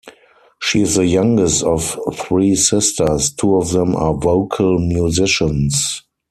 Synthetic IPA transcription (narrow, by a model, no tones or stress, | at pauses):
ʃiːɪzðəjãŋɡɛstɔfθɹiːsɪstə˞stʰuːɔfðɛ̃mʔa̰ːvoʊkʰəlmjuzɪʃə̃ns